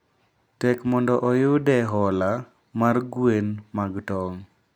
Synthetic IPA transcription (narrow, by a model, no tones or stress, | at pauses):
tɛkmɔndɔʔɔjʊdɛɦɔla | marɡwenmaɡtɔŋ